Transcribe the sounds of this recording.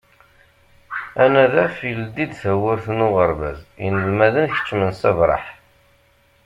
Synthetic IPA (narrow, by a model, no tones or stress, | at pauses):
ænæðæfild̪id̪θæwəɾθnʊʁəɾˤvæ̰zənəlmæðənçə̥t͡ʃːmənsævɾˤɑ̰ħ